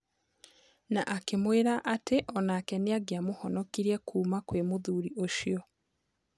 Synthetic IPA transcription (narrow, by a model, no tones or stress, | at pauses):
naʔakemweɾaʔateʔɔnakɛneaɡeamohɔnɔkiɾɛkʰuːmakwemoðuːɾiʔoʃjɔ